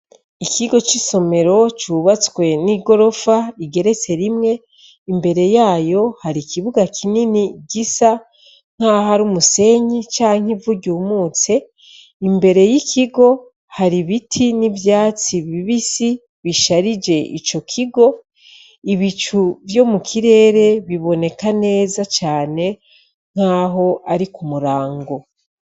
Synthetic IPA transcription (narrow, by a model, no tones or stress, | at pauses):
ikiɡo̞t͡ʃiso̞me̞ɾo̞t͡ʃuβat͡swe̞niɡo̞ɾo̞faiɡe̞ɾe̞t͡se̞ɾimŋe̞ | imbe̞ɾe̞jaːjo̞haɾikiβuɡakʰininiɟisa | ŋ̥haɦaɾumuse̞ɲit͡ʃaːŋ̥ivuɟuːmuːt͡se̞ | imbe̞ɾe̞jikʰiɡo̞ | haɾiβitʰinivjaːt͡siβiβisi | βiʃaɾid͡ʒe̞ʔḭt͡ʃo̞kʰiɡo̞ | iβit͡ʃuvjo̞mukʰiɾe̞ːɾe̞βiβo̞ne̞kane̞ːzat͡ʃaːne̞ | ŋ̥aːɦo̞ʔaɾikumuɾaːŋɡo̞